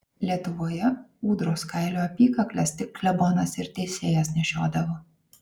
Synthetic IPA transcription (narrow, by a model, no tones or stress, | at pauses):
lʲiɛt̪ʊʋoːjɛuːd̪ɾoːskɑˑɪlʲoːɐpʲiːkɐklʲɛst̪ʲɪklʲɛboːnɐsɪɾt̪ʲɛɪsʲeːjɛsnʲɛʃʲoːd̪ɐʋoː